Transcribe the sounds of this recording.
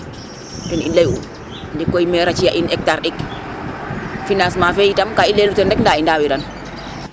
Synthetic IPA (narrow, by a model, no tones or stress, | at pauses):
tɔnilːajṵ | ndɛkːɔjmɛɾat͡ʃijaʔinɛk̚taɾɗɛk | finasmafejitamkailːelutɔndɛkndaindawiɾan